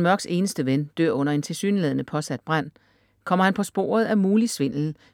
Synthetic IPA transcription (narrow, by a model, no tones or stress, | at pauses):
mɶɐɡ̥se̝ːnəsd̥əʋend̥øɐ̰ɔ̽n̰ɐe̝nt͡sʰe̝lsy̰ːnəleðˠnəpʰɒ̽sæd̥b̥ʁan̰ | kʰɒ̽m̰ɐhænpʰɒ̽sb̥o̝̰ːɐð̞̩ˠæmuːlisʋe̝n̰ln̩